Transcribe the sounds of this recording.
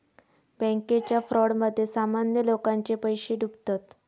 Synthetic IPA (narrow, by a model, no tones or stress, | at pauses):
bɛ̃ŋket͡ɕjafɾɔɽməd̪ʱːjesamanjəlokaɲt͡ɕepəjɕeɖubt̪at̪